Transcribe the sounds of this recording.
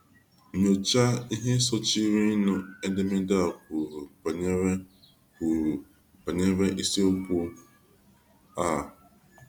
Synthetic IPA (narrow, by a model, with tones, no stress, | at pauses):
ɲo˨t͡ʃa˦i˦ɦe˦sɔ˦t͡ʃi˦ɾi˦nʊ˨e˦de˦me˦da˦˨kʊ˨a˨ɲ˦˨ | pa˨ɲe˦ɾe˦ʔi˦si˦o˦pu˦ | a˦˨